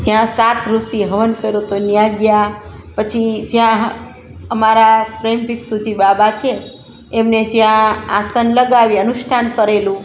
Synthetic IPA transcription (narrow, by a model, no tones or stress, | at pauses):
d͡ʒjãsat̪ʰɾusiɦəʋənkəɾot̪onjãɡjapət͡ʃʰid͡ʒjãɦ | əmaɾapɾembʱiksud͡ʒibabat͡ʃʰeː | mned͡ʒjãasənləɡaʋiənuʃʈʰankəɾelũ